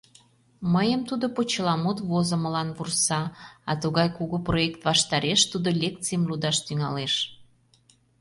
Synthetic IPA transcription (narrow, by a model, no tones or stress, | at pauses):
məjəmt̪ud̪opot͡ɕəlɑmut̪vozə̆məlɑnβursɑɑt̪uɣɑjkuɣoproekt̪βɑʃt̪ɑɾeʃt̪ud̪olʲekt̪t͡sijəmlud̪ɑʃt̪yŋɑleʃ